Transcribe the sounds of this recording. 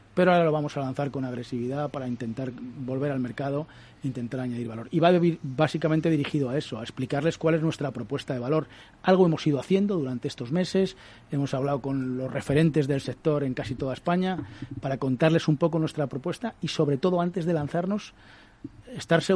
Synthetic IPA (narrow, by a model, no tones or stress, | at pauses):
peɾoaɾalo̞βamo̞salanθaɾko̞naɣɾe̞siβiðapaɾaint̪e̞nt̪aɾbo̞lβe̞ɾalme̞ɾkaðo̞ | int̪e̞nt̪aɾaɲaðiɾβalo̞ɾiβaðeβiɾbasikamẽnt̪e̞ðiɾixiðoae̞so̞aesplikaɾle̞skwale̞znwe̞st̪ɾapɾo̞pwe̞st̪aðe̞βalo̞ɾ | alɣ̞o̞e̞mo̞siðo̞aθje̞nd̪o̞ðuɾant̪e̞est̪o̞zme̞se̞s | e̞mo̞saβlaoko̞nlo̞sre̞fe̞ɾẽ̞nt̪e̞zðe̞lse̞k̚t̪o̞ɾe̞ŋkasit̪o̞ðaespaɲapaɾako̞nt̪aɾle̞sumpo̞konwe̞st̪ɾapɾo̞pwe̞st̪aiso̞βɾe̞t̪o̞ðoant̪e̞zðe̞lanθaɾno̞s | est̪aɾse